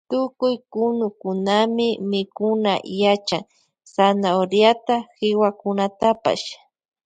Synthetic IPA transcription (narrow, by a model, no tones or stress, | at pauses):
t̪ʊkʊjkʊnʊkʊnamɪmɪkʊnajat͡ʃaŋ | sanaoɾjat̪axɪwakʊnat̪apa̰ʃ